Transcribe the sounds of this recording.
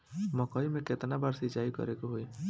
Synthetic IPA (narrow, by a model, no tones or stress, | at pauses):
mɔkɔːimẽkɪt̪nabaːɾsɪt͡ʃaːikə̰ɾekoɦoi